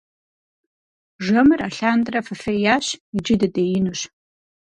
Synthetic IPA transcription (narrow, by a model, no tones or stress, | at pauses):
ʐɐmɨraɬaːndʼrɐfɐfɐjaːɕid͡ʒɪdɐdejɪnɨɕ